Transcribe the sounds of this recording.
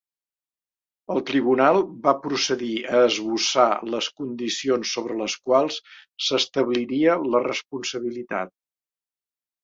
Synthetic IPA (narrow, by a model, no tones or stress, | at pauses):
əlˠt̪ɾiβunalˠbapɾusəðiəːzβusa̰ləskund̪isionsːoβɾələskwalˠssəst̪əβliɾiələrəspunsəβ̞ilit̪a̰t̪̚